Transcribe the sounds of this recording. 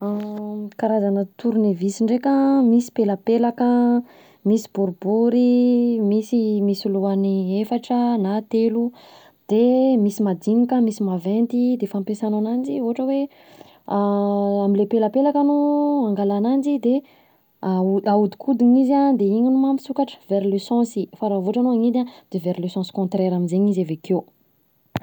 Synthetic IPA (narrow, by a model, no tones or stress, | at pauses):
akaɾazanət̪uɾunevisiɳɖ͡ʐekəmisi̥pelapelakə | misi̥buɾubuɾimisimisiluaniefaʈ͡ʂənat̪elu | d̪̥emisimad̪inikəmisimavent̪id̪efampesananand͡ʒioɦaʈ͡ʂəwe | aamilepeləpelakənuãŋɡalanand͡ʒid̪e | auaud̪i̥kʰud̪iɲizad̪eiɲinumampi̥sukaʈ͡ʂə̥veɾlesɑ̃sifaɾavoʈ͡ʂanoaŋid̪ad̪̥eveɾlesɑ̃si̥kɔ̃nt̪ɾeɾaminzeɲizaveke